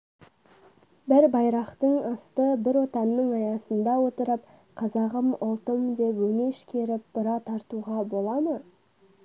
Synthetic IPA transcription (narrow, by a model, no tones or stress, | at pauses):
bɪɾbɑjɾɑqt̪əɴɑst̪əbɪɾwo̞t̪ɑnːəɴɑjɑsənd̪ɑwo̞t̪əɾəp̚ | qʰɑzɑʁəmʊlˠt̪əmd̪e̞pwɵŋe̞ʃkʲʰe̞ɾɪp̚b̥əɾɑt̪ʰɑɾt̪uʁɑbo̞lˠɑmə